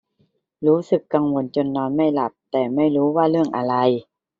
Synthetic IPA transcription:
ɾuː˦˥sɯ˧˩kːa˧ŋwo˧nt͡ɕo˧nːɔː˧nma˥˩jla˧˩p̚t̪ɛː˨˩ma˥˩jɾuː˦˥waː˧˥˩lɯ˥˩əŋʔa˧la˧j

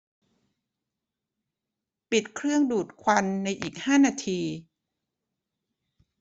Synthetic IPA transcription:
pi˨˩t̪̚kʰɾɯ˥˩əŋduː˨˩t̪̚kʰwa˧nːa˧jʔiː˨˩k̚haː˥˩naː˧t̪ʰiː˧

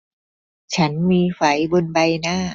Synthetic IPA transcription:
t͡ɕʰa˦˥nmiː˧fa˩˦jbo˧nba˧jnaː˥˩

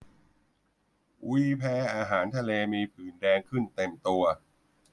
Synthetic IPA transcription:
wiː˧˥pʰɛː˧ʔaː˧ɦaː˩˦nt̪ʰa˧leː˧miː˧pʰɯː˨˩ndɛː˧ŋkʰɯ˥˩nt̪e˨˩mt̪u˧ɐ

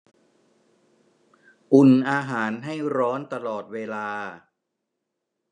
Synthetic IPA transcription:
ʔu˨˩nʔaː˧ɦaː˩˦nɦa˥˩jɾɔː˦˥nt̪a˧lɔː˨˩t̪̚weː˧laː˧

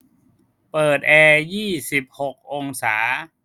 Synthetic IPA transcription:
pɤː˨˩t̪̚ʔɛː˧jiː˥˩si˨˩p̚ho˨˩k̚ʔo˧ŋsaː˩˦

